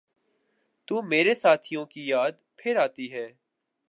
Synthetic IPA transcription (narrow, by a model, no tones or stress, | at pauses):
t̪uːmeːɾesaːt̪ʰijõkijaːd̪pʰɪɾaːt̪iɦɛː